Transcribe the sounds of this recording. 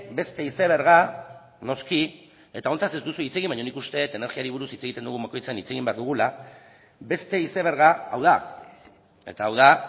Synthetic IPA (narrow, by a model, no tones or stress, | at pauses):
be̞st̪e̞iseβ̞e̞ɾɣa | no̞ski | e̞t̪ao̞nt̪ase̞zd̪usuit͡se̞ɣimbajɲonikust̪e̞t̪e̞neɾɣiaɾiβuɾusit͡se̞ɣ̞it̪e̞nd̪uɣumbako̞jt͡seanit͡se̞ɣimbeaɾðuɣ̞ula | be̞st̪e̞iseβ̞eɾɣaawð̞a | e̞̰t̪aːwða